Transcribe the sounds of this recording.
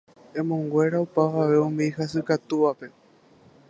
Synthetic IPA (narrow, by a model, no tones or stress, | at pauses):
ẽ̞mõŋɡʷe̞ɾaupaʋaʋe̞õmiiɦasɨkat̪uʋape̞